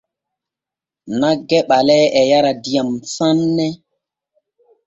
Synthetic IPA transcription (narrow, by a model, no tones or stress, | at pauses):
naɡɛɓalɛɛjaɾadijamsanːɛ